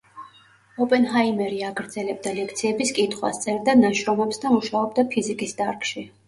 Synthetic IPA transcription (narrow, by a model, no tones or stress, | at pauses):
ɔpʼɛnɦaimɛɾiaɡɾd̪zɛlɛb̚d̪alɛkʰt̪sʰiɛbiskʼit̪ʰχwa̰st̪sʼɛɾd̪anaʃɾɔmɛpsd̪amuʃaɔbd̪apʰizikʼisd̪aɾkʃi